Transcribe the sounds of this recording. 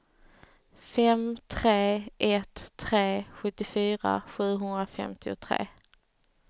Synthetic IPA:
fɛmt̪ʰɾeːʔɛt̪ʰːɾeːɧɵt̪ːɪfyːɾa̰ɧʉ̟ːɦɵnd̪ɾafɛ̰mt̪ʰɪʊt̪ʰɾḛː

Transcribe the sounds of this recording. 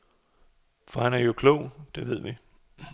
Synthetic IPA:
fɒhænæɐjo̝kʰlɔʊ̰d̥e̝ʋe̝ð̞̰ˠʋi

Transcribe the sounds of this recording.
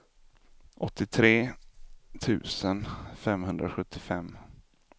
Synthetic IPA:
ʔɔt̪ʰːɪt̪ʰɾeː | t̪ʰʉ̟̰ːsənfɛmɦɵnd̪ɾaɧɵt̪ʰːɪfɛmː

